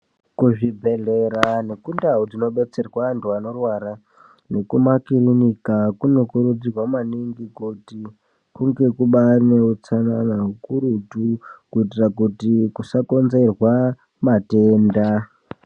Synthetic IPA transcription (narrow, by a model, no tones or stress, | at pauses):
kuʐibʱe̞ɮe̞ɾanekundaɦud͡zino̞ɓe̞t͡se̞rwantuano̞rwaɾa | ne̞kumakiɾinikakuno̞kuɾud͡zirwamaniŋɡikuti | kuŋɡe̞kuɓane̞ut͡sananaɦukuɾutukuitirak̬utikusako̞nze̞rwa | mateːnda